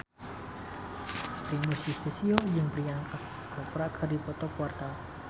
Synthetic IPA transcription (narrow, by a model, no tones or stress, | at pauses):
pɾimusisesiod͡ʒɨŋpɾiaŋa | kɔpɾakʰərdipɔt̪ɔkwart̪a